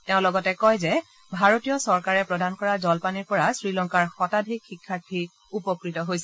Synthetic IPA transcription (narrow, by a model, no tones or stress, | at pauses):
teʊ̃lɔɡɔtɛkɔjzɛ | bʱaɹotijɔsɔɹkaɹɛpɹɔdankɔɹazɔlpaniɹpɔɹasɹilɔŋkaɹxɔtadʱikxikʰːaɹtʰːi | upɔkɹitɔɦojsɛ